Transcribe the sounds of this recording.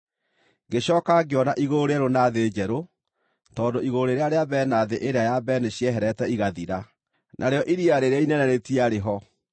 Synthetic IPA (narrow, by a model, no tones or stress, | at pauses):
ɡeɕɔːkaɡeɔnaʔiɣoɾeɛɾonaðed͡ʑɛɾo | tɔːndoiɣoɾeɾeaɾeabɛːnaðeʔeɾeajabɛneɕiɛɦɛɾɛtɛiɣaðiɾa | nʔaɾeɔʔiɾiaɾeɾeainɛnɛɾetiaɾeɦɔ